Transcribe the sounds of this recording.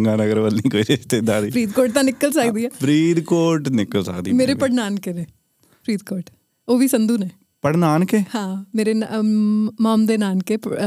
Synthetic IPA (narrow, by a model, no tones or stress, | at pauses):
ŋɡaːnəɡəɾʋəlnikoːiɾɪʃt̪eːd̪aːɾipɾiːd̪koːɾʈ̚t̪ãnɪkːəlsəkd̪iːaːpʰɾiːd̪koːɾʈnɪkːəlsə̰kd̪ḭmeːɾepəɽnaːnkenẽ | pʰɾiːd̪koːɾʈ | oːbʱisə̃nd̪uːneː | pəɽnaːnkehãːmeːɾen | maːmd̪enaːnke